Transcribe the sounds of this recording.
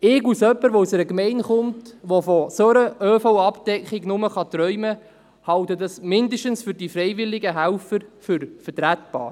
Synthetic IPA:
ɪɡusœpːəɾʋousɛɾəkmɛɪnχʊmtʋofosɔɾəʔøːfowɑpd̥ɛkχiɡnʊməχɑt̪ɾœʏmə | hɑwtədɑsmɪndəʃtənsfʏɾdifɾɛjvɪlɪɡəɦæwfəɾfʏɾfəɾtɾætb̥ɑ̰ːɾ

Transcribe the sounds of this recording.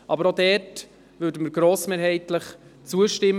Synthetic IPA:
ʔɑbəɾodɛːt | vʏːɾdəməɾɡɾoːsmeːɾɦɛɪtləχt͡suəʃtɪm

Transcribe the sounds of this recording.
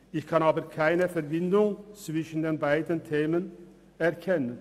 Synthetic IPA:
ɪçkʰɑnɑːbəɾkʰaɪnəfɛɾbɪnd̪ʊŋt͡svɪʃn̩d̪eːnbaɪd̪ənt̪ʰeːmən | ɛɾkʰɛnən

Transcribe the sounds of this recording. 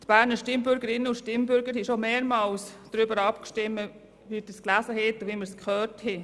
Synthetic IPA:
t̪b̥æːɾnəʃtɪmbʏɾɡəɾɪnːəʊʃtɪmbʏɾɡəɾhiʃomeːɾmɑlsd̥ɾʏbəɾɑpkʃtɪmːə | ʋidisklæsəɦɛt̪ːʊʋiməɾskχœːrthɛ

